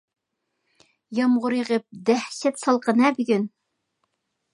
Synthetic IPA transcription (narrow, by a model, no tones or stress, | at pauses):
jɑmʁʊɾjʁəp̚d̪æhʃɛt̪sɑlˠqʰənɛbyɡʲyn